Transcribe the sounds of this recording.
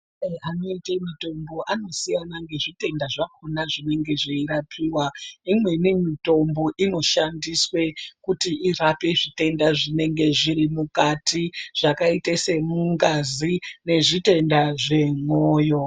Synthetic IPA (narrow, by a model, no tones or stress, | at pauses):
ano̞itemito̞mbo̞ʔano̞sijanaŋɡe̞ʐite̞ndaʐakonaʐine̞ŋɡe̞ʐiiɾapʰiːwaimwe̞nemito̞mbo̞ʔino̞ʃandiswe̞kutiʔirapeʐite̞ndaʐine̞ŋɡe̞ʐiɾimukatʰiʐ̥akaitese̞muŋɡazine̞ʐite̞ndaʐe̞ŋoːjo̞